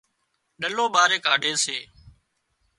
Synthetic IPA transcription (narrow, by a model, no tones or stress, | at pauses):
ɗəloːɓaːɾeːkaːɖʱeːseː